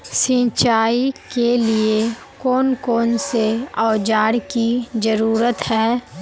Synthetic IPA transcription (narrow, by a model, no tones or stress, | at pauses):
sĩːt͡ʃaːikelie | koːnkoːnseaːd͡ʒaːɽkizəɾuːɾət̪hɛː